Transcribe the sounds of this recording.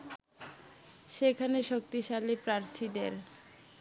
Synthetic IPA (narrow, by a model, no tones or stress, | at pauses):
ʃekʰaneʃok̚t̪iʃalepɾaɾt̪ʰid̪eɾ